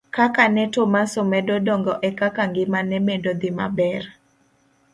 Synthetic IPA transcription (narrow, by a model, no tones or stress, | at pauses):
kakanɛtomasomɛdodɔŋɡɔʔɛkakaŋɡɪmanɛmendod̪ɪma̰bɛr